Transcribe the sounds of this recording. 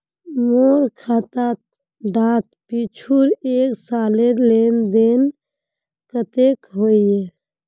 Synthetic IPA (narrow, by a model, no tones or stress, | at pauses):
moɾkʰat̪at̪̚ | ɖat̪pit͡ʃʰuɾeksalelend̪en | kət̪ekɦoije